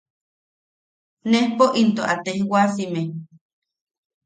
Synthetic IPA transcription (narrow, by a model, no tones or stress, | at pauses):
nehpoʔint̪oʔat̪ehwasime